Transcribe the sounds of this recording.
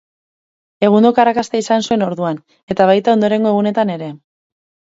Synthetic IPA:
e̞ɣ̞und̪okarakast̪eisansue̞no̞ɾðuan | e̞t̪aβ̞ajt̪ao̞nd̪o̞ɾe̞ŋɡo̞e̞ɣ̞une̞t̪ane̞ɾe̞

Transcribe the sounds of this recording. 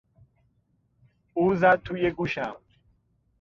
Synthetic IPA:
uzat̪ʰujeɡuɕam

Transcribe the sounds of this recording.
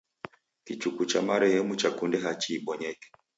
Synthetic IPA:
kit͡ʃukut͡ʃa̰maɾɛhɛmut͡ʃakundɛɦat͡ʃiːɓɔɲɛkɛ̥

